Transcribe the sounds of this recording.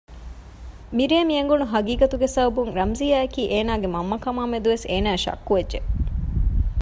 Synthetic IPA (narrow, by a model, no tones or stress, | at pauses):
miɾeːmiɐŋɡunuɦɐɡiːɡɐt̪uɡesɐbɐbuŋɾɐmzijaːɐkiːʔeːnaːɡemɐmːɐkɐmaːmed̪uʋeseːnæːʃɐ̰kːuʋedʒe